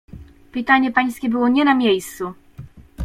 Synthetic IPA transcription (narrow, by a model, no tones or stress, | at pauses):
pɘt̪aɲɛpaj̃skʲɛbɘwɔɲɛnamʲjejst̪su